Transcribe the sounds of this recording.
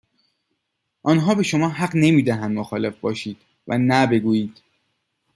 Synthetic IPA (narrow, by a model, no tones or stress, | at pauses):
ʔɒːnɦɒːbe̞ʃomɒːɦæɢne̞miːd̪æɦænd̪moxɒːle̞fbɒːʃiːd̪̥ | væ̰næbe̞ɡuːjiːd̪̥